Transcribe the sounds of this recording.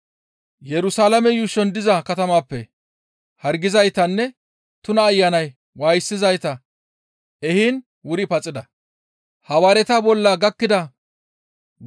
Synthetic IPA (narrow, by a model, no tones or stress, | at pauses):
jɛɾʊsaːlɐmɛjʊʃɔnd̪ɪzɐkɐt̪ɐmaːpːɛ | hɐɾɡɪzɐjt̪ɐnːɛ | t̪ʊnɐːjːɐnɐj | waːjsːɪzɐjt̪ɐ | ɛhin | wʊɾɪpɐt͡sʼːɪd̪ɐ | hɐwaːɾɛt̪ɐbɔlːɐɡɐkːɪd̪ɐ